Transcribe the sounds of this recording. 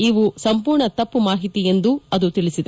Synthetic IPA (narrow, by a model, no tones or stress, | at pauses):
iʋusɐmpuːɾɳɐt̪ɐpːumaːɦit̪ije̞nd̪uɐd̪ut̪iɭisid̪e